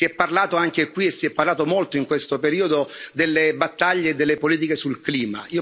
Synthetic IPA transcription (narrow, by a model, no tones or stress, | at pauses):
sɛpːarlaːt̪oaŋk̟ekwiesːiɛpːarlaːt̪omolt̪oiŋkwest̪opeɾiːod̪od̪elːebat̪ːaʎːeːd̪ːelːepoliːt̪̬ikesulkliːmaiːo